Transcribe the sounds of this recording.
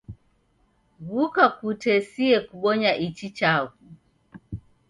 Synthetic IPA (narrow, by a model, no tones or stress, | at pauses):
ɣukakutɛsiɛkuɓɔɲaʔit͡ʃit͡ʃaku